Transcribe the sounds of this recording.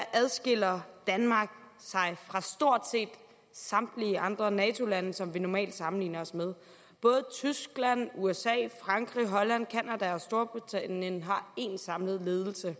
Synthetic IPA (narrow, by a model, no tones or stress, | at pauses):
æʔæð̞ˠsɡ̥e̝l̰ɐd̥ænmɑ̈ːɡ̥ | sɑ̈ɪfʁɑ̈sd̥o̝ɐ̰d̥se̝̰ːd̥ | sɑ̈md̥liɑ̈nd̥ʁɐnɛːt͡sʰo̝lænəsɒ̽mʋinɒmɛ̰ːld̥sɑ̈mn̩lḭːnɐɒ̽smeðˠ | b̥ɔ̽ːð̞ˠət͡sʰysɡ̥læn̰uesɛ̰ːfʁɑ̈ŋɡ̥ʁiɦɒ̽læn̰kʰænæd̥æɒ̽sd̥o̝ɐb̥ʁit͡sʰænənɦɑ̈e̝nsɑ̈mləð̞̩ˠle̝ːð̞ˠl̩sə